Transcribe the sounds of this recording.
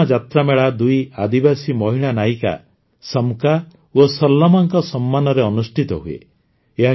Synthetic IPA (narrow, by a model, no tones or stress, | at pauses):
ad͡ʒat̪ɾameɭad̪ujad̪ibasimɔɦiɭ̃anajka̰ | sɔmka | osɔlːɔmaŋkɔsɔmːanɔɾeɔnusʈʰit̪ɔɦuḛ | eɦa